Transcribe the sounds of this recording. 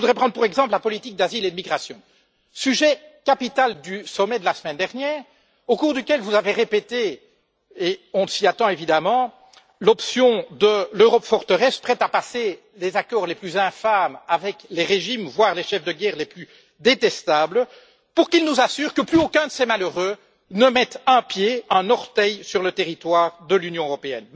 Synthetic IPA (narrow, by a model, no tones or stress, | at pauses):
əvud̪ʁɛpχɑ̃d̪ʁpuʁɛɡzɑ̃plapɔlit̪ik̚d̪aziled̪əmiɡʁasjɔ̃ | syʒɛkapit̪ald̪ysɔmɛd̪əlasəmɛnd̪ɛʁnjɛːʁ | okuːʁd̪ykʲɛlvuzaveʁepet̪e | eɔ̃siat̪ɑ̃evid̪amɑ̃ | lɔpsjɔ̃d̪əløʁɔpfɔʁt̪əʁɛspχɛt̪apase | lezakɔʁleplyzɛ̃famavɛkleʁeʒimvwaʁleʃɛfd̪əɡʲɛːʁleply | d̪et̪ɛst̪ablə | puʁkilnuzasyːʁkəplyokœ̃d̪əsemaløʁø | nəmɛt̪ɛ̃pjeɛ̃nɔʁt̪ɛjsyʁlət̪eʁit̪waːʁd̪əlynjɔ̃øʁɔpeɛ̰n